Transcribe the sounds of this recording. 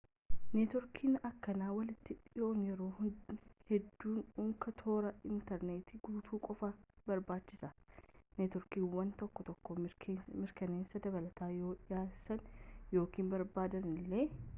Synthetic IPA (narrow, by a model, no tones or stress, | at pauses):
neːt̪ɔɾkʰiːnɐkːɐnaːwɐlɪt̪ːɪᶑɪjo̞ːnjɛɾo̞ːhɛd̪ːuːnʊŋkɐt̪ʰo̞ːɾɐɪnt̪ɛɾneːt̪iɡuːt̪uːkʼɔfɐbɐɾbaːt͡ʃːɪsɐneːt̪ɔɾkiːwɐnt̪ɔkːɔt̪ɔkːɔmɪɾkɐneːsɐd̪ɐβɐlɐt̪aːjo̞ːᶑɪjaːsɐnjo̞ːkiːmbɐɾbaːd̪ɐɾɐɪlːe̞ː